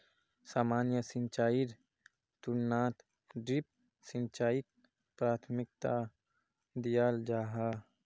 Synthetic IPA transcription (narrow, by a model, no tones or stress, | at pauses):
saːmaːnjəsĩnt͡ʃaːiɾ | t̪uɾnat̪ | ɖɾip̚ | sint͡ʃaːik̚ | pɾaːt̪ʰmɪk̚t̪a | d̪ijaːld͡ʒaːɦa